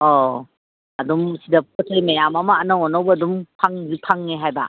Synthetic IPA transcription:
ɔ | ɐdumsidɐp̚ɔtʰajmejamamaːnaŋɔnɔwbɐːdumpʰaŋzipʰaŋneɦajba̰

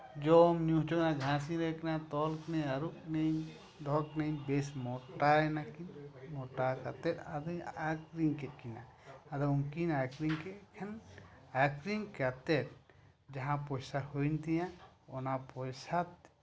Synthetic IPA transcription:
d͡ʒɔmnijũɦt͡ʃɔknaɡʱãs̬ĩɾɛknat̪ɔlknɛaɾuk̚neɲ | d̪ʱɔknejɲbɛsmɔʈaɛnakinmɔʈakat̪ɛt̪ad̪ɔakɾiŋkɛt̪̚kina̰ː | d̪ɔnkinakɾiŋkɛkʰɛnakɾiŋkat̪ɛt̪̚ | d͡ʒaɦãpɔjsahunt̪ijãɔnapɔjsat̪̚

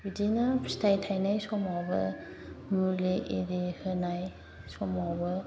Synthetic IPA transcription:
bidinastʰajtʰajnajsɔmawbɐ̰ | muɾliʔedihɯnaj | sɔmawbɯ

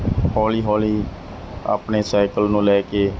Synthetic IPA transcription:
hɔːliːɦɔːliː | a̰ːpneːsaːɪkəlnũːlɛːkeː

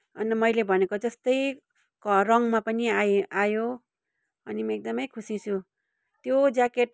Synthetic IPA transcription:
ʌnmʌjlebʱʌnekod͡zʌst̪ʌj | kʌrʌŋmapʌniaajo | ʌnimʌek̚d̪ʌmʌjkʰusit͡sʰu | t̪jod͡zakeʈ

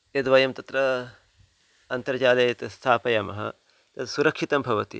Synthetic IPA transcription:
ed̪ʋɐjɐmt̪ɐt̪ɾɐ | ɐnt̪ɐɾd͡ʒaːlɐjɐt̪ɐst̪ʰaːpɐjɐmɐ̰ɦɐ̰ | t̪ɐt̪suɾɐkʂit̪ɐmbʱɐʋɐt̪ḭ

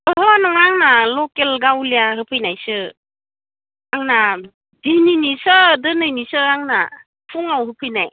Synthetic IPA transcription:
ɔɦɔnɔŋaŋnalɔkelɡawlijahɯpʰɯjnajsɯ | aŋna | dininisɯdɯnɯjnisɯaŋna̰ | pʰuŋawɦɯpʰɯjnaj

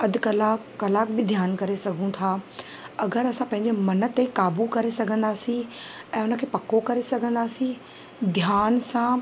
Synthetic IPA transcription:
ɐd̪kɐlaːɐlaːk̚bɪd̪ʱjaːnkɐɾesɐɡʱũt̪ʰaː | ɐɡəɾɐsãpɐ̃ɦɪ̃ɲ̆d͡ʑemɐnət̪ːekaːbukɐɾesɐɡʱə̃nd̪aːsĩ | ɛ̃ːʊnə̆kʰeːpɐkokɐɾesɐɡʱə̃nd̪aːsĩ | d̪ʱjaːnsãː

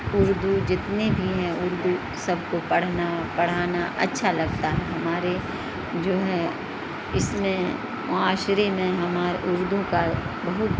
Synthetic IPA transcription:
ʊɾd̪ʱud͡ʒɪt̪nebʱiɦɛ̃ʊɾd̪u | sɐb̚kopɐɽ̤napɐɽ̤aːnaʔɐ̰tːʃʰalɐɡt̪aɦɛɦɐmaːɾe | d͡ʒoːɦɛ | ɪsmẽ | mɐaːʃɾemẽɦɐmaːɾʔʊɾd̪ũkabɐɦʊt̪

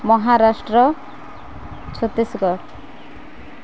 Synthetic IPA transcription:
mɔɦaɾasʈɾɔ | t͡ʃʰɔt̪isɡɔɾ

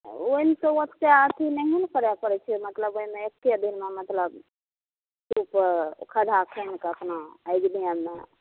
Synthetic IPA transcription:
oimt̪owət̪keat̪ʰinəɦinkəɾapəɾɛt͡ʃʰɛmət̪ləboimeekːjed̪inmemət̪ləb | supkʰəd̪ʱakʰənkəpnaːjɡnijəmːḛ

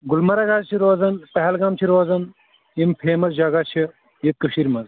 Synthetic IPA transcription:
ɡulmɐɾɐɡaːzt͡ʃʰiɾoːzɐnpɐɦɐlɡɐmt͡ʃʰiɾoːzɐn | impʰeːmɐzd͡ʒɐɡat͡ʃʰi | jit̪̚kɐʃiɾmɐz

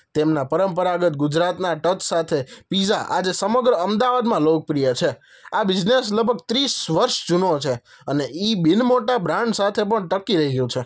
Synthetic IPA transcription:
t̪emnapəɾəmpəɾaɡət̪̚ɡud͡ʒɾat̪naʈət͡ʃsat̪ʰepid͡ʒaʔa̰d͡ʒesəməɡɾəəmd̪aʋad̪mãlok̚pɾijət͡ʃʰe | abɪd͡ʒnesləɡ̚bʱəɡ̚t̪ɾisʋəɾʃd͡ʒunot͡ʃʰe | əneʔibinmoʈabʱɾãɳɖsat̪ʰepəɳʈəkiɾəɦijũt͡ʃʰe

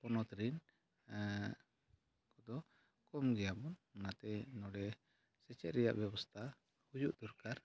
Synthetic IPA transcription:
pɔnɔt̪ɾin | kɔd̪ɔ | kɔmɡɛjabɔnmənat̪ɛnɔɽɛ | sɛt͡ʃɛt̪ɾɛjaʔbɛbɔst̪ʰa | hujuʔd̪ɔɾkaɾ

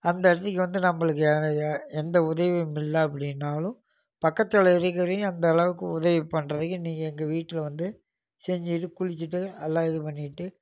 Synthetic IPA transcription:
ɐnd̪ɐɐɽɯt̪ːɯkːɯʋɐnd̪ɯnɐmːɐɭɯk̬ːɯɛnd̪ɐʊðɐʋimɪlːɐɐp̬ːɐɽɪnːaːlʊ̃ | pɐkːɐt̪ːɐlɐɪɾɯk̬ːɐɾĩɐnd̪ɐlɐʋɯkːɯʊðɐʋipːɐnrɐðɯkːɯniːŋɡɐɛŋɡɐʋiːʈːɪlʋɐnd̪ɯ | sɛɲd͡ʒiʈːɯkʊɻɪt͡ʃːɯʈːɯɐlːaːɪðɯpɐɳːɪʈːɯ

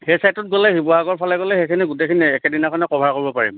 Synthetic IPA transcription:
xejsajtɔt̚ɡɔlɛhibɔaɡɔɹpʰalɛɡɔlɛxejkʰiniɡutejkʰiniɛkɛdinakʰɔnɛkɔbʱaɹkoɹibɔpaɹḭm

